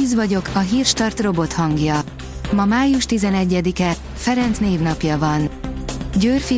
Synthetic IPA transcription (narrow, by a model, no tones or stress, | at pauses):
iːzvɒɟo̞kʰɒɦiːrʃt̪ɒrt̪ro̞bo̞t̪hɒŋɡjɒ | mɒmaːjuʃt̪izɛnɛɟːɛd̪ikɛ | fɛɾɛnt̪sneːvnɒpjɒvɒnɟøːrfi